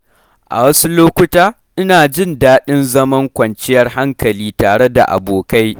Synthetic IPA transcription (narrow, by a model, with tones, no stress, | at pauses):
ʔa̰˨wɐ˦su˦loː˦kʷʊ˦taː˦ | ʔɪ˦naː˨d͡ʒɪ˦ndaː˦ɗɪ˦nzɐ˦mɐ˦ŋkʷɐ˨nt͡ʃɪ˦jɐ˦rɦa˦ŋkɐ˨liː˦taː˨ɽe˦da̰˨ʔa̰˨boː˨ka˦j